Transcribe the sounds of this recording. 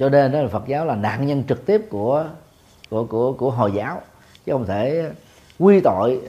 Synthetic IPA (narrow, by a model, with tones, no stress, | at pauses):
t͡ɕɔ˧ne˧n˨˦˨fə˨˩t̚zaː˨˦wlaː˨˩na̰ː˧˨nɲə˧nt͡ɕɨ˨˩k̚t̪i˦˥əp̚ku˧˩ə | ku˧˩əku˧˩əku˧˩əɦo˨˩jzaː˨˦w | t͡ɕɨ˦xə˧wŋ͡mt̪ʰe˧˩ | kwi˧t̪o̰˧˨j